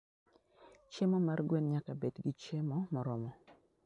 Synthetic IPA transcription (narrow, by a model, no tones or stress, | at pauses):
t͡ʃemɔmarɡwenɲakabedɡit͡ʃemɔmɔɾɔmɔ